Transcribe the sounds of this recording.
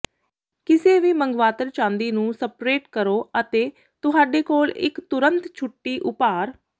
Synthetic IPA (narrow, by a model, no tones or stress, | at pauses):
kɪseːʋiːməŋɡʋaːt̪əɾt͡ʃãːnd̪iːnũːsəpɾeːʈkəɾoːət̪eː | t̪ʊɦaːɖeːkoːlɪ̰kt̪ʊɾə̃nt̪t͡ʃʰʊʈːiːʔʊpaːɾ